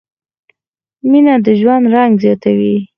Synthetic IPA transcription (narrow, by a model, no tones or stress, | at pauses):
minad̪əʒwand̪ɾaŋɡzjɑt̪awi